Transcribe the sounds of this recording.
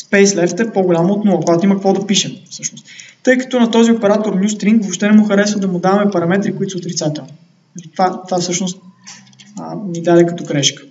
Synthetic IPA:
spɛjslɛft̪ɛpoɡʊlʲamoot̪nɔvɐkʊɡat̪oimɐkɐkvɔd̪ɐpiʃɛmfsɤʃnʊst̪t̪ɤjkɐ̥t̪ɔnɐt̪ɔziopɛɾat̪oɾnʲjust̪ɾiŋkvopʃt̪ɛnɛmuxɐɾɛsvɐd̪ɐmʊd̪avɐmɛpɐɾɐmɛt̪ɾikʊit̪ʊ̥sot̪ɾit̪sat̪ɛlˠni | nɐlit̪vat̪vafsɤʃnʊst̪̚ | ənid̪ad̪ɛkɐt̪ɔɡɾɛʃkə̥

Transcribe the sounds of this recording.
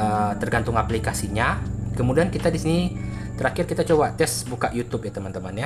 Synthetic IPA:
ət̪ərɡant̪ʊŋaplikasiɲakəmudiankit̪adisini | t̪əɾakɪrkit̪at͡ʃobat̪ɛsbukaʔjut̪ʊpjat̪əmant̪əmanja

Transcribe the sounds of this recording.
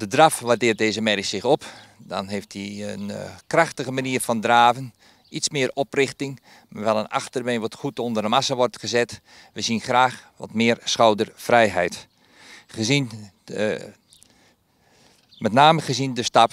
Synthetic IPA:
d̥ədrafʋadɪːət̚deːzəmɛɾisɪxɔpdɔ̰nɦeːftdiənkraxtəɣəmaniərfɔndraːvən | ismɪəɾɔprɪxtɪŋ | maʋɛlˠəna̰xtərbejnʋɔtxutondərəmasaʋɔrtχəzɛt | ʋəzinxraːxʋɔ̰tmɪːərsxawdərfrɛjɦɛjt | χəzin | mɛtnaːməχəzindəstap

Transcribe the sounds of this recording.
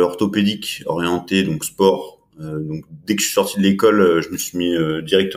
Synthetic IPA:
ɔʁt̪ɔped̪ikɔ̰ʁjɑ̃t̪ed̪ɔ̃kspɔʁ | ød̪ɔ̃kd̪ɛkə̥ə̥sɥi̥sɔʁt̪id̪əlekɔløʒəməsɥimiød̪iʁɛk̚t̪ə

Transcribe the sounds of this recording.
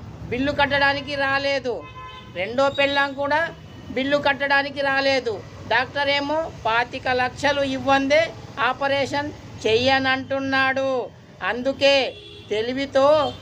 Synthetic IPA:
biɭːukɐʈːɐɽaːnikiɾaːle̞ːd̪u | ɾe̞ɳɖo̞ːpɛɭːɐmkuːɽaː | biɭːukɐʈːɐɽaːnikiɾaːle̞ːd̪u | ɖaːk̚ʈɐɾe̞ːmoːpaːt̪ikɐlɐkʂɐluiʋːɐnd̪eːaːpɐɾeːʂɐn | t͡ʃɛjɐnɐɳʈunːaːɽu | ɐnd̪uke̞ː | t̪e̞liʋit̪o̞ː

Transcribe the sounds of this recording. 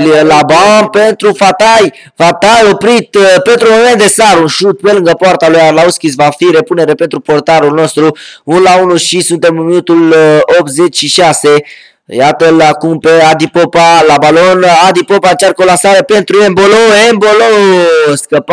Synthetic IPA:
llabampe̞nt̪ɾufat̪aj | fat̪ajo̞pɾit̪pe̞nt̪ɾumoment̪d̪e̞saɾunʃut̪̚pe̞lɨŋɡəpoart̪alujalauskʲisvafiɾe̞pune̞ɾepe̞nt̪ɾupo̞rt̪aɾulno̞st̪ɾuunlaunuʃisunt̪e̞mɨnminut̪ulop̚t̪ze̞t͡ʃʃiʃase̞ | jat̪əlakumpead̪ipopalabalo̞nad̪ipo̞paɨnt͡ʃarkolasaɾəpe̞nt̪ɾuemboloembolowskəp

